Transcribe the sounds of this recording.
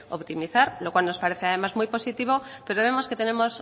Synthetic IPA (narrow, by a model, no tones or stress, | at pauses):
o̞̰pt̪imiθaɾlo̞kwalno̞spaɾe̞θeað̞e̞mazmujpo̞sit̪iβ̞o̞pe̞ɾo̞β̞e̞mo̞sket̪e̞ne̞mo̞s